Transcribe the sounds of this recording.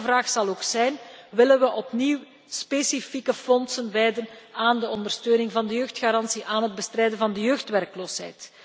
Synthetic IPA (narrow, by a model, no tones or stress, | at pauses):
vraːxsɑlˠoːksɛjnʋɪlənʋəʔɔpniw | spesifikəfɔnsənʋɛjdənaːndəɔndərstøːnɪŋvɑndəjøːxtxaɾɑnsiʔaːnɦəd̚bəstɾrɛjdənvɑndəjøːxtʋɛrkloːsɦɛ̰jt